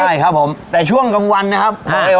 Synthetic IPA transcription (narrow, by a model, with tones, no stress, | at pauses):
a˥˩jkʰa˦˥pʰːo˩˦mt̪ɛː˨˩t͡ɕʰu˥˩əŋka˧mwa˧nːa˦˥kʰa˦˥p̚ʰːɔ˦˥˦ɾeː˧